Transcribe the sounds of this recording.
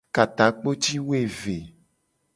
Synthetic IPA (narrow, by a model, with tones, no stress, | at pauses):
ka˨t̪ã˨k͡po˦t͡ʃi˦wo˦e˦˨ve˨